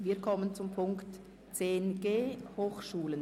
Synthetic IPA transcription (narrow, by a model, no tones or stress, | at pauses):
viːɐkʰɔmənt͡sʊmpʰʊŋkt | t͡seːnɡ̥eːhoːxʃuːlən